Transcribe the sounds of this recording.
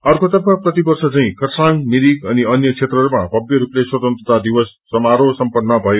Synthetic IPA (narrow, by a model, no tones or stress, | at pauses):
ʌrkot̪ʌbaprʌt̪ibʌrsʌt͡saĩkʌrsaŋmiɾikʌniʌnjʌkʰet̪rʌɾumabʌbjʌɾupleswʌt̪ʌnt̪rʌt̪ad̪iwʌsːʌmaɾosʌmpʌnːʌbʱʌjo